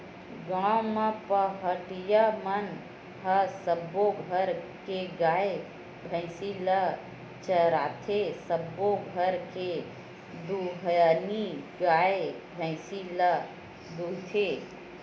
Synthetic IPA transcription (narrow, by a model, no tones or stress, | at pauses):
ɡãw̃mãpəɦəʈijamən | ɦəsəbːoɡʱəɾkeɡaːe | bʱə̃ɪsilə | t͡ʃəɾat̪ʰesəbːoɡʱəɾke | d̪uɦjaniɡaːebʱə̃ɪsilə | d̪ut̪ʰe